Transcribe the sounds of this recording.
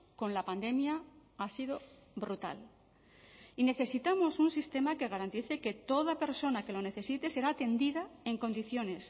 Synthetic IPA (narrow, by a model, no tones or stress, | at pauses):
ko̞nlapand̪e̞mjaasiðo̞ | bɾut̪a̰l | ine̞θe̞sit̪amo̞sunsist̪e̞make̞ɣ̞aɾant̪iθe̞ke̞t̪o̞ðape̞ɾso̞nake̞lo̞ne̞θe̞sit̪e̞se̞ɾaːt̪e̞nd̪iðae̞ŋko̞nd̪iθjo̞ne̞s